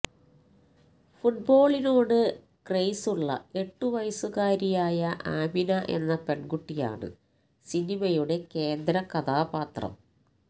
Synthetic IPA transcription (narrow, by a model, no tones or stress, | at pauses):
fuʈ̚bo̞ːɭinoːɽɨ | krejsuɭːɐ̰e̞ʈːuʋɐjɐsuɣaːɾijaːjɐʔaːbinɐʔe̞̰nːɐpe̞ɳɡuʈːija̰ːɳɨ̰ | sinimɐjuɽe̞ke̞ːnd̪ɾɐkɐðaːbaːt̪rɐ̰m